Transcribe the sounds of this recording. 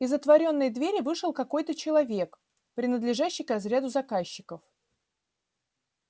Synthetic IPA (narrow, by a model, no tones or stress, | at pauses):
ɪzət̪vɐɾʲo̞nːəjd̪vʲeɾʲɪvɨʂɨlˠkɐko̞jt̪ət͡ɕɪlˠɐvʲe̞k | pɾʲɪnəd̪lʲɪʐaɕːɪjkɐzɾʲad̪ʊzɐkaɕːɪkəf